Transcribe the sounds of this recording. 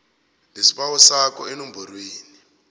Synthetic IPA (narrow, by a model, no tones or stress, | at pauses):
nesiɓawɔsakɔenomborweːni